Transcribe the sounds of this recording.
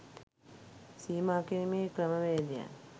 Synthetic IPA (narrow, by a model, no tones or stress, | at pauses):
siːmaːkeimeːkɾəməʋeːd̪ija̰n